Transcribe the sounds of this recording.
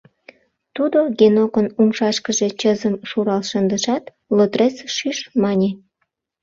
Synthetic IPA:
t̪ud̪oɡenokənumʃɑʃkəʒe̽t͡ɕəzəmʃuɾɑlʃənd̪əʃɑt̪ | lot̪ret͡sʃyʃmɑnʲe

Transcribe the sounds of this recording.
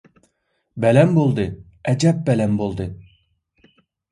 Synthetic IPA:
bɛlɛmbolˠd̪ɨ | ɛd͡ʒɛp̚bɛlɛmbolˠd̪ɨ

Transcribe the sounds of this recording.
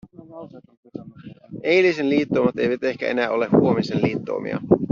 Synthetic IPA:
e̞jlisenliːt̪ːoːmɑt̪e̞̰jʋæt̪e̞hkæ̰e̞̰næːo̞lehuomisenliːt̪ːo̰ːmḭɑ̰

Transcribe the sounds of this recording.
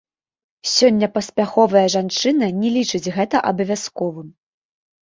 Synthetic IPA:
sʲɔnʲːɐpɐsʲpʲaxɔvɐjɐʐant͡ʂɨnɐnʲɛlʲit͡ʂɨd͡zʲɣɛt̪ɐʔɐbɐvʲaskɔvɨm

